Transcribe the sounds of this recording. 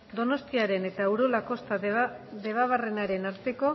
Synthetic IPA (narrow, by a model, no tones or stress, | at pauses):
d̪o̞no̞st̪iaɾe̞ne̞t̪aewɾo̞lako̞st̪aðe̞β̞aβ̞are̞naɾe̞naɾt̪e̞ko̞